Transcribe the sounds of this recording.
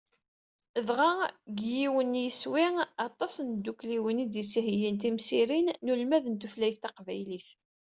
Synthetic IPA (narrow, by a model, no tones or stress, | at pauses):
əðʁɑɡjiwənːjəswiŋɑt̪ˤːɑsnd̪ːukliwənid̪jət͡sːhəjənt̪imsiɾinːulmæðənt̪uflæjθɑqvæjliθ